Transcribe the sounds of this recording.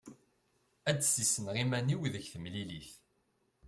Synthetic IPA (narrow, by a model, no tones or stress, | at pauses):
æt͡sːsisənʁimæniwðəçθəmliliθ